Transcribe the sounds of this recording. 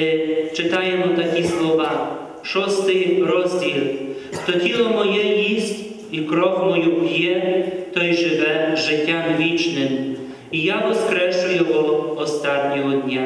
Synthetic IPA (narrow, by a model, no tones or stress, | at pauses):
ɪt͡ʃɪt̪ɑjemɔt̪ɐkʲislˠɔʋɑ | ʃɔst̪ɪjɾɔzʲdʲilʲˠʃt̪ɔtʲilˠɔmɔjɛjisʲtʲ | ikɾɔkmɔjupʲjɛt̪ɔjʒɪʋɛʒɪtʲːamʋʲit͡ʃnɪm | ijaʋɔskɾɛʃʊjɔɦɔɔst̪at̪ʲnʲɔɦɔd̪ʲnʲa